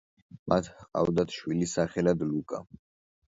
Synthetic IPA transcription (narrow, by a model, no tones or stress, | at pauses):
mʔat̪ʰhqʼa̰vd̪at̪ʰʃwilisaχɛlad̪lukʼa